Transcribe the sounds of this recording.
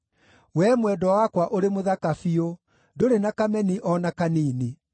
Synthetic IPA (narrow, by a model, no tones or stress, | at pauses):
wɛmwɛdɔwakwaʔoɾemoðakafio | doɾenakamɛniʔɔnakaniːni